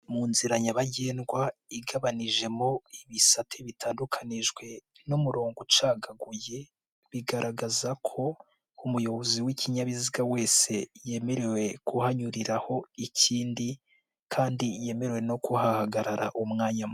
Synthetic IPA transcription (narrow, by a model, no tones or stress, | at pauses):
muːnziɾaɲaβaɟeːnɡwaiɡaβaniʒe̞moiβisatʰeβitʰaːndukʰaniʒɡwe̞nomuɾoːŋɡut͡ʃaːɡaɡuje̞ | βiɡaɾaɡazakʰo̞ | umujo̞βoziwiciɲaβiziɡawe̞ːse̞je̞me̞ɾe̞we̞kuhaɲuɾiɾaho̞iciːndi | kʰaːndije̞me̞ɾewe̞no̞kuhahaɡaɾaɾa̰ʔumŋaːɲamu